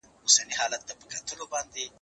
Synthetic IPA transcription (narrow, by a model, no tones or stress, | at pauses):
ʊsaniɦɑːlat̪ːapəkʰat̪ʰəlobɑnd̪e